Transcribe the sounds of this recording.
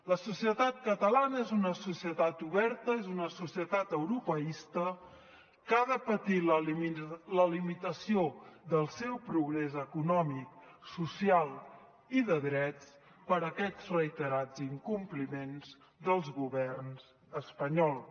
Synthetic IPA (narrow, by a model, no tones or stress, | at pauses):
ləsusiət̪at̪̚kət̪əlanəezunəsusiət̪at̪uβɛɾt̪əezunəsusiət̪at̪əwɾupəist̪ə | kaðəpət̪il | ləlimit̪əsioðəlˠsɛwpɾuɣɾɛzəkunɔmik̚susialˠ | iðəðɾɛt͡s | pəɾəkɛzrəjt̪əɾad͡ziŋkumplimenz | d̪əlˠzɣuβɛrnz | əspəɲɔlˠ